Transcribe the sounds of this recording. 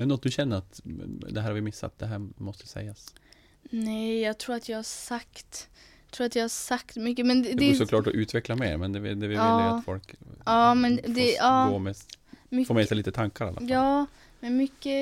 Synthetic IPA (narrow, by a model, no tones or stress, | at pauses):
ɛnɔt̪̚d̪ʉɕɛnːəɾat̪d̪ɛɦæːɾhaɾvɪmɪsːa̰t̪̚d̪ɛɦæːɾmɔst̪ə̥sɛ̰jːas | nɛjːɑːɡt̪ʰɾuːɾat̪jɑɡhasakt̪ | t̪ʰɾuːɾat̪jɑhasakt̪mʏkːəmɛnd̪d̪ɛsɔklɑːʈɔʔʉ̟ːt̪ʰvɛklameːɾmɛnd̪ɛvɪ̰d̪ɛvɪɑːt̪fɔlkɑːmɛnd̪ɛɑːmɛmfɔɾmɛːsaɪliːt̪ət̪ʰaŋkaɾa̰la̰fɑː | mɛnmʏkːə